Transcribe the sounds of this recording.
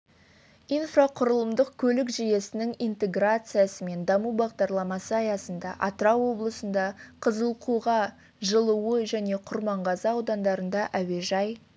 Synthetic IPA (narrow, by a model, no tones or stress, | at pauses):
ijnfraqʰʊɾəlˠəmd̪əqkʲʰɵlɪkʒeje̞sɪnɪŋijnt̪e̞ɡrat̪sɨjasəme̞nd̪ɑmubɑʁd̪ɑɾlˠɑmɑsəɑjɑsənd̪ɑʔɑt̪ɾɑwo̞blˠəsənd̪ɑqʰəzəlˠqʰuʁɑ | ʒəlˠuwəʒæne̞qʰʊɾmɑɴʁɑzɑɑwd̪ɑnd̪ɑɾənd̪ɑʔæwe̞ʒɑj